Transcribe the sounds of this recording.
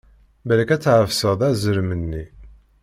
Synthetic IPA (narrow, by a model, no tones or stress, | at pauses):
bæləkæt͡sːʕəvsəðˤæzəɾmənːi